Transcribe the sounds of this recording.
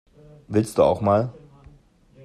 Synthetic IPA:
vɪlstd̥ṵːa̰ʊxmaːl

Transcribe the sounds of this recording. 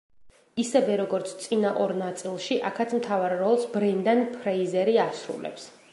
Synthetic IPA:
isɛvɛɾɔɡɔɾt̪sʰt̪sʼinaʔɔɾnat̪sʼilˠʃiʔakʰat̪sʰmt̪ʰavaɾːɔlˠsbɾɛnd̪anpʰɾɛizɛɾiasɾṵlɛ̰ps

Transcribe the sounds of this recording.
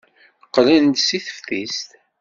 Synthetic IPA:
qːlænt̪siθə̥fθist̪

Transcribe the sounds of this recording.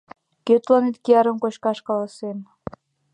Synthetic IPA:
køt̪lɑnet̪̚kiɑɾə̆mkot͡ɕkɑʃkɑlɑsem

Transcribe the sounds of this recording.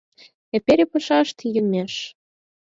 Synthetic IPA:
epʲeɾʲepɤ̆ʃɑʃt̪jymʲeʃ

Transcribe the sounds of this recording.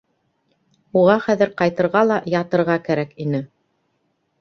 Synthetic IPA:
uʁɑχæðɘɾqɑjt̪ɤ̆ɾʁɑlˠɑjɑt̪ɤ̆ɾʁɑkæɾækinɘ

